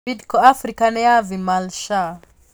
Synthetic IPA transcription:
idkɔafɾikanɛavimalʃa

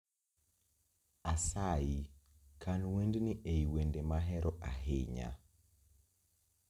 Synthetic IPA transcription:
asaji | kʰanwendniʔeiwendemaɦɛɾɔʔa̰ɦɪɲa̰

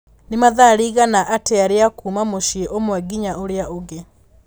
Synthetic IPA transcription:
nemaðaɾiːɣanaʔateaɾeakuːmamoʃieʔomwɛɡiɲaoɾeaoɣe

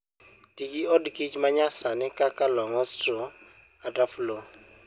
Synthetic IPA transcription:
tiɡiɔdkɪt͡ʃmaɲasanɪkakalɔŋɔstɾɔ | adaflo

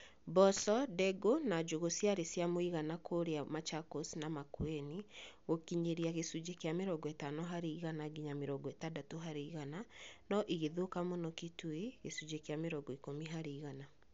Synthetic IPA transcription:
bɔsɔdɛɡonad͡ʒoɣosijaɾesjamoiɣanakʰoɾeamat͡ʃakosnamakweniɣokiɲeɾiaɣesud͡ʒekeameɾɔɡɔɛtanɔɦaɾeiɣanaɡiɲameɾɔɡɔɛtadatoɦaɾeiɣananɔʔiɣeðokamonɔketweɣesud͡ʒekeameɾɔɡɔikomiɦaɾeiɣana

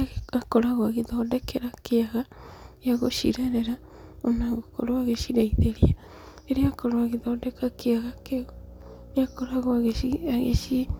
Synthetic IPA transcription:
akoɾaɣwaɣeðɔdɛkeɾakeaɣaeaɣoʃḭɾɛɾɛɾa | onaɣoko̰ɾowaɣeʃiɾaiðeɾia | eɾeakoɾoaɣeðɔdɛkakeaɣake | jakoɾaɣwaɣeiaɣḛʃi

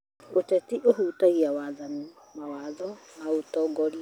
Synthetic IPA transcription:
otɛtiʔoɦutaiawaðanɪ | mawaðɔ | mautɔɡɔl

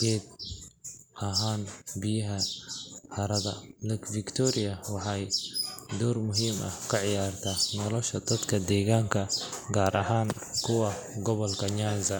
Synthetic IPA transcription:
ɡɛːd̪̚ | ɐɦaːnbɪjɐɦɐħɐɾɐðɐ̰lɐkfɪkt̪ʰɔɾɪjɐwɑħɑjd̪ɔːrmʊɦiːmʔɐ̰hkʰɐʕɪjaːrt̪ʰɐnɔlɔʃɐd̪ɐd̪kʰɐd̪ɛːɣaːŋkʰɐɡaːɾʔɐɦaːn | kʰʊwɑ | ɡɔβɔlkʰɐɲanzɐ

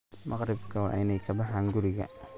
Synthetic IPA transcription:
mɑɣɾɪbkʰɐwɑ̰ːʔɪnɛjkʰɐbɑħaːŋɡʊɾɪɣɐ̰

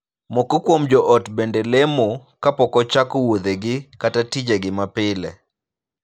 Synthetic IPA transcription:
mɔkɔkwomd͡ʒɔʔɔtbendɛlemokapɔkɔt͡ʃakɔwod̪eɡɪkatatid͡ʒeɡɪmapɪlɛ̰

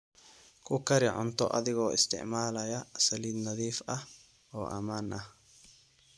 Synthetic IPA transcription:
kʊkːɐɾɪʕʊ̰nt̪ɔ̰ʔɐ̰ðɪɡoːɪ̰st̪ɪ̰ʕmaːlɐjɐsɐliːd̪nɐðiːfʔɐ | oːʔɐ̰maːnʔɐh

